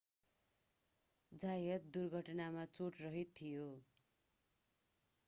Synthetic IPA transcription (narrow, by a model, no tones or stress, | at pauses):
d͡zajʌt̪̚d̪urɡʱʌʈnamat͡soʈrʌɦit̪ʰːijo